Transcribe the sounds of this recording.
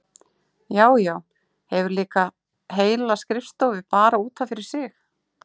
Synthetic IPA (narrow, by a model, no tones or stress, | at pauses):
jaːwjaːw | hɛvʏɾliːka | ɦeːjlaskɾɪfst̪owvɪpaːɾauːt̪ʰafɪɾɪɾ̥sɪx